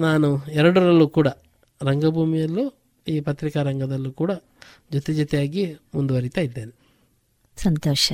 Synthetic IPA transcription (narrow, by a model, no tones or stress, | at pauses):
naːnuɛɾɐɽuɾɐlːukuːɽɐ | ɾɐŋɡɐbʱuːmijɐlːoː | iːpɐt̪ɾikɐɾɐŋɡɐd̪ɐlːuːkuːɽɐ | d͡ʒot̪id͡ʒɐt̪ɛjaːɡimund̪uʋɐɾit̪aːjid̪ːeːni | sɐnt̪ɔːʃɐ